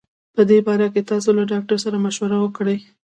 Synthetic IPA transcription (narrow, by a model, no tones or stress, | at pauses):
pəd̪ebɑɾaket̪ɑsolaɖɑk̚ʈaɾsaɾamaʃwaɾawəkɽej